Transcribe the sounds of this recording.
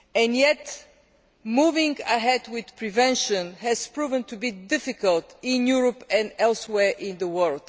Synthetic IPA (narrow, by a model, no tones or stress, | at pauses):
ɛ̃njɛt | muvɪ̃ŋɡəɦɛdwɪð̥pʰɹivɛ̃nʃə̃nhɛz̥pɹuvə̃ntubidɪfɪkəlˠtɪ̃njuɹəpɛ̃ndɛlˠswɛɹʔɪ̃nðəwɜlˠd̥